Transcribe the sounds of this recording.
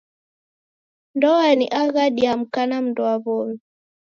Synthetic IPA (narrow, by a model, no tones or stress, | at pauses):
ndɔaniʔaɣaɗiam̩kanam̩ndɔaβɔmi